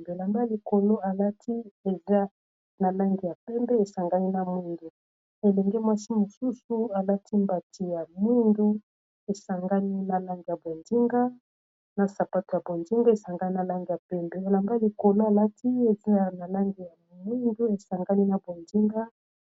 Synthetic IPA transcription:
be˨la˨mba˦li˨ko˨lo˦a˨la˦tʰi˦e˨za˦ | na˨la˦ŋɡi˨ja˨pɛ˦mbɛ˦e˨sa˨ŋɡa˦ni˦na˨mu˦ndu˨ | e˨lɛ˨ŋɡɛ˦mwa˦si˦mo˨su˦su˦a˨la˦tʰi˦mba˨tʰi˨ja˨mu˦ndu˦ | e˨sa˨ŋɡa˦ni˦na˨la˦ŋɡi˨ja˨bo˨ndi˦ŋɡa˦ | na˨sa˨pa˦to˨ja˨bo˨ndi˦ŋɡa˦e˨sa˨ŋɡa˦ni˦na˨la˦ŋɡi˨ja˨pɛ˦mbɛ˨e˨la˨mba˦li˨ko˨lo˦a˨la˦tʰi˦e˨za˦a˨na˨la˦ŋɡi˨ja˨mu˦ndu˦e˨sa˨ŋɡa˦ni˦na˨bo˨ndi˦ŋɡa˦

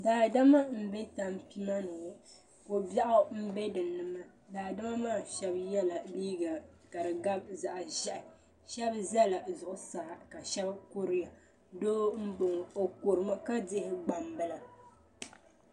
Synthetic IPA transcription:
daː˨da˦ma˦m̩˦be˦ta˨m˦pi˦ma˦no˨ | ko˨ba˦ʔa˦m̩˦be˦dɨ˨nɨ˦ma˦ | daː˨da˦ma˦maː˦˨ʃɛ˦bjɛ˦la˨liː˦ɡa˨ka˨ɾɨ˨ɡa˦b̚za˨ʔʒɛ˦˨ʔɪ˨ | ʃɛ˦bzɛ˦la˨zʊ˨ʔʊ˨saː˨ka˨ʃɛ˦bko˦ɾɪ˦ja˨ | doː˦m̩˦bo˨ŋo˨ko˨ɾɨ˨ma˦ka˦dɪ˦hɪ˦ɡ͡ba˨mbɨ˦la˨

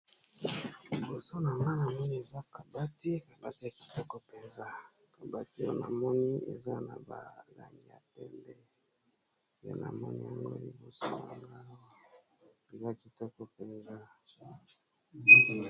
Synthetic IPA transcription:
li˨bo˨so˦na˨ŋɡa˦na˨mɔ˦ni˦e˨za˦ka˨ba˦ti˦ka˨ba˦ti˦a˨ki̥˨tɔ˦kɔ˦pe˨nza˦ | ka˨ba˦ti˦o˦na̰˨mɔ˦ni˦ḛ˨za˦na̰˨ba˨la̰˨ŋɡi˦˨ja˨pɛ˦mbɛ˦ | tḛ˦na̰˨mɔ˦nḭ˦ja˨ŋɡo̰˦li˨bo˨so˦na˨ŋɡa˦ | e˨za˦ki˨tɔ˦kɔ˦pe˨nza˦

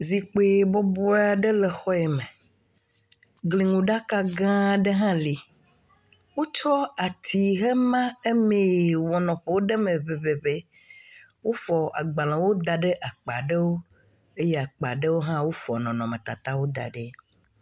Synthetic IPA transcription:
zi˨k͡pe˨bɔ˦bɔ˦a˨ɖe˦lɛ˨xɔ˦ɛ˨me˨ | ɡli˨ŋũ˨ɖa˦ka˦ɡã˦ɖe˦ɦã˦li˨ | wo˦t͡ʃɔ˦a˨t̪ʰi˨ɦe˦mã˦e˦me˨wɔ˨nɔ̃˨ɸe˨wo˦ɖe˦mẽ˨ve˨βe˨βe˦ | wo˦fɔ˨a̰˨ɡ͡ba˨l̃ã˨wo˦d̪a˨ɖe˦ʔa˨k͡pa̰˨ɖe˦wo˦ | e˦je˦a˨k͡pa̰˨ɖe˦wo˦ɦã˦wo˦fɔ̰˨nɔ̃˨nɔ̃˨mẽ˨t̪a̰˨t̪a˦wo˦d̪a̰˨ɖe˦

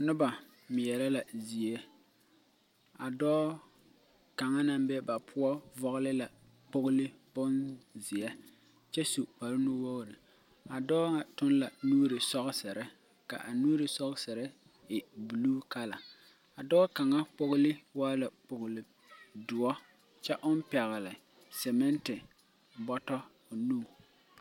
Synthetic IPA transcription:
nʊ˦ba˨ | mɪ˨jɛ˨ɾa˦la˨zi˨ɛ˦ | a˨dɔː˦ | ka˨ŋa˦na˦m˦bɛ˦ba˨pʰʊ˦ɔ˦vɔ˦ɣlɪ˦la˨ | k͡pʊ˦ɣʊ˦lɪ˦bʊ˦nzɪ˨jɛ˦ | t͡ʃɛ˦su˨k͡pa˨ɾɪ˦nʊ˦wo˦ɣɾɪ˨ | a˨dɔː˦ŋa˨tʊ˦n˦la˨nuː˦ɾɪ˨sɔ˦ɣɪ˦sɪ˨ɾɪ˦ | ka̰˨ʔa˨nuː˦ɾɪ˨sɔ˦ɣsɪ˨ɾɪ˦ | ɪ˨bu˨luː˦ka˦la˨ | a˨dɔː˦ka˨ŋa˦k͡pʊ˦ɣʊ˦lɪ˦waː˦la˨k͡pʊ˨ɣʊ˨lɪ˨ | dʊ˨ɔ˦ | t͡ʃɛ˦ʔʊ˦m˦pɛ˨ɣɪ˨lɪ˨ | sɛ˨mɛ˦ntɪ˨ | bɔ˦tɔ˦ | ʊ˨nuː˦˨

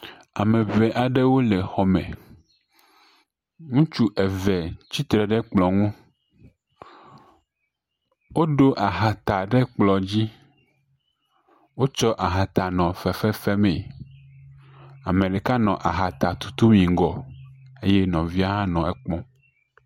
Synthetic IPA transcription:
a˨mẽ˨vɛ˨ʔa˨ɖe˦wo˦le˨xɔ˨mḛ̃˨ | ŋũ˦t͡ʃu˦ʔɛ˨vɛ˨t͡ɕi˦t̪ɾɛ˨ɖɛ˦k͡plɔ˨ŋũ˦ | wo˦ɖo˦ʔa˨ɦa˨t̪a˨ɖe˦k͡plɔ˨d͡ʑi˦ | wo˦t͡ʃɔ˦ʔa˨ɦa˨t̪a˨nɔ̃˨fɛ˨fɛ˦fɛ˦mɛe˨ | a˨mẽ˨ɖe˨ka˦nɔ̃˨ʔa˨ɦa˨t̪a˨t̪u̥˨t̪u˦mĩ˨ŋ˦ɡɔ˨e˦jɛ˦nɔ̃˨vi˦a˦ɦã˦nɔ̃˨ɛ˨k͡pɔ̃˦

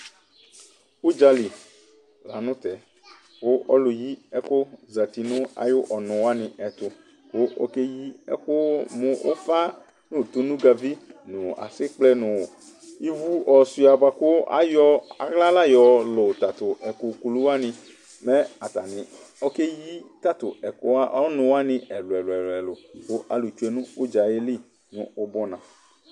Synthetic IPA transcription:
ʊ˦d͡ʒa˨li˨ | la˨nʊ̃˦t̪ɛ˨ | kʊ˦ɔ˦lʊ˨ji˦ɛ˦kʊ˦za˨t̪i˨nʊ̃˦a̰˨jʊ˦ʔɔ˨nʊ̃˨wa˦nɪ̃˨ʔɛ˨t̪ʊ˨ | kʊ˦ʔo̰˦ke˦ji˦ɛ̰˦kʊ˦mʊ̃˦o̰˦fa˦ | nʊ˦˨t̪ʊ˦nũ˦ɡa˨vi˦nʊ̃˨a̰˨sɪ˦k͡plɛ˦nʊ̃˨ | i˦vu˦ɔ˨si˨˦a˨ba˨kʊ˦a̰˦jɔ˦a̰˨ɣla˦la˦jɔ˨lʊ˨t̪a˨t̪ʊ˨ɛ˨kʊ˨ku˨lu˦a˦nɪ̃˧ | mɛ˦a˨t̪a˨nɪ̃˨ɔ˦ke˦ji˦t̪a˦t̪ʊ˨ɛ˨kʊ˦a˦ʔɔ˦nʊ̃˨wa˦nɪ̃˨˦ɛ˨lʊ˨ɛ˨lʊ˨ɛ˨lʊ˨ɛ˨lʊ˨kʊ˦ʔa˨lu˨t͡ʃu˦ɛ˨nʊ̃˦o˦d͡ʒa˨je˦li˦ | nʊ̃˨˦o˦bɔ˦nã˨

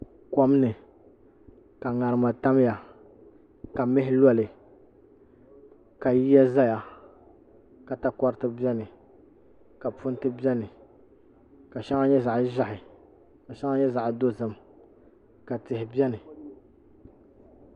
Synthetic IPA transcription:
kɔ˦m˦nɨ˨ | ka˨ŋa˨ɾɨ˨ma˨ta˦m˦ja˨ | ka˨mɪ˦ɦɪ˦lɔ˦lɨ˨ | ka˨ji˦ja˦za˦ja˨ | ka˨ta˦kɔ˦ɾɨ˦tɨ˦bɛ˦nɨ˨ | ka˨pʊ˦n˦tɨ˦bɛ˦nɨ˨ | ka˨ʃa˦ŋa˦ɲɛ˦za˨ʔʒa˦hɪ˨ | ka˨ʃɛ˦ŋa˦ɲɛ˦za˨ʔdo˦zɨ˨m | ka˨tɪ˨hɪ˨bjɛ˦nɨ˨

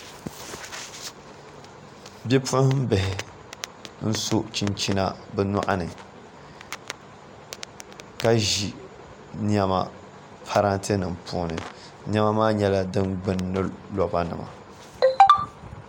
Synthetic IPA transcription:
bɛ˦pʊ˦hm̩˦bɛ˨ɦɪ˨ | n̩˦so˦t͡ʃi˦nt͡ʃi˦na̰˦bɛ˦na˦ʔa˦nɨ˨ | ka˦ʒi˨ | n˦ɛ˦ma̰˨ | pʰa˦ɾa˦nte˦nɨ˨mpuː˦nɨ̰˨ | n˦ɛ˦ma˦maː˦ɲɛ˦la˦dɨ˦nɡ͡bɨ˨nːɨ˦lɔ˨˦ba˦nɨ̰˨ma̰˨

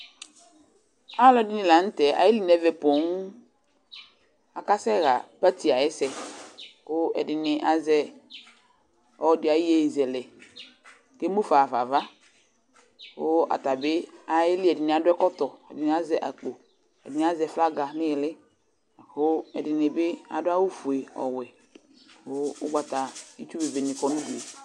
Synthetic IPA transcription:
a˦lɔ˦dɪ˦nɪ̃˨la˨n̩˦tɛ˨a̰˨jɪ˦li˦˨nɛ˨˦vɛ˨po˨ŋ˦ | a˨ka˦sɛ˦ɣa˨pa˦ti˨a˨jɛ˦sɛ˨ | kʊ˦ɛ̰˨dɪ˨nɪ˨ʔa˦zɛ˦ | ɔ˦dɪ˨˦a˨i˦je˦˨zɛ˨lɛ˨ | ke˦mu˦fa˨va˨va˦ | wo˦a̰˨ta˨bɪ˦a˨jɪ˦lɪ˦ɛ˨dɪ˨nɪ˨a˨dʊ˦ɛ˦kɔ˦tɔ˨ɛ̰˨dɪ˨nɪ˨˦a˦zɛ˦˨ʔa˨k͡po˨ | ɛ̰˨dɪ˨ni˨˦a˦zɛ˨fla˦ɡa˨˦nɪ̃˦jɪ˨lɪ˦˨ | ho˦ɛ˨dɪ˨nɪ˨bɪ˦a̰˨dʊ˦a˦wu˦fu˨e˨ɔ̰˨wɛ˨ | o˦ʊ˦ɡ͡ba˨ta˨i˦t͡ʃu˦be˨ve˨nɪ˨kɔ˨˦nu˦du˨e˨

